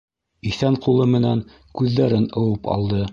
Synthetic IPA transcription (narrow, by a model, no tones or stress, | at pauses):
iθæɴqulˠɤmɘ̆næŋ | kʉðːæɾɘnɤ̆wɤpɑ̰lˠd̪ɤ